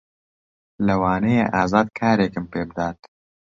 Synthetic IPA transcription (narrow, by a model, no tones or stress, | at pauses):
lɐwaːnejḛʔaːzaːd̪kʰaːɾeːkɨmpeːbɨd̪aːt̪